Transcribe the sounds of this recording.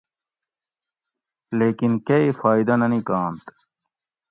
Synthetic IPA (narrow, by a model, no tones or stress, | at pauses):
leːkinkeifaːid̪ɐnɐnĩkaːnt̪